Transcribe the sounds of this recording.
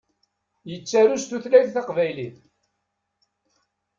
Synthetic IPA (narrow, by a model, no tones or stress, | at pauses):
jət͡sːaɾust̪uθlæjθθɑqvæjliθ